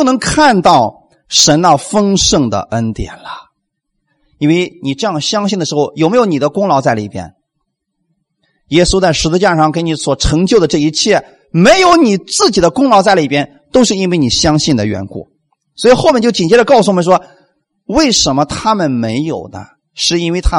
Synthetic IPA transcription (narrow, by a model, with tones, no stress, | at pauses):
nɤ˧˥ŋkʰa˥˧nt̪ɑ˥˩ʊ | ʂə˧˥nə˧fɤ˥ŋʂɤ˥˩ŋd̪ə̰˩ʔə˥nt̪jɛ̰˨˩nlə˦ | i˥nwe˥˧ɪni˨˩ʈ͡ʂɤ˥˧jɑ˥˩ŋɕjɑ˥ŋɕ̬i˥˩nə˩ʂɻ̩˧˥xo˥˩ʊjʊme˧˥ɪjo˧˥ʊ˦ni˨˩d̪ə˦kʊ˥ŋlɑ˧˥ʊt͡sa˥˩ɪlə˨ḭ˨˩pjɛ̰˥n | jɛ˥su˥t͡sa˥˩ɪʂɻ̩˧˥t͡sɹ̩˥˧t͡ɕja˥˧ʂɑ˥˩ŋk̬ni˧˥swɔ˨˩ʈ͡ʂʰɤ˧˥ŋt͡ɕjo˥˩ʊd̪ə˩ʈ͡ʂɤ˥˩i˧˥t͡ɕʰjɛ˥˩ | me˧˥ɪjo˧˥ʊni˨˩t͡sɹ̩˥˩t͡ɕi˨˩d̪ə˦kʊ˥ŋlɑ˧˥t͡sa˥˩ɪlə˨˩i˨˩pjɛ˥n | t̪o˥ʊʂɻ̩˥˧i˥nwe˥˩ɪni˨˩ɕjɑ˥ŋɕi˥˩nd̪ə˩ɥɛ̰˧˥nkṵ˥˩ | swɔ˧˥i˨xo˥ʊmɛ˥˩t͡ɕo˥˩ʊt͡ɕi˨˩nt͡ɕjɾə˧kɑ˥˩ʊsu˩ɔ˨mə˦nʂ̬wɔ˥ | we˥˩ɪʂə˧˥nmə˧t̪ʰa˥mə˨nme˧˥ɪjo˨˩ʊnə̰˦ | ʂɻ̩˥˩i˥nwe˥˩ɪt̪ʰa˥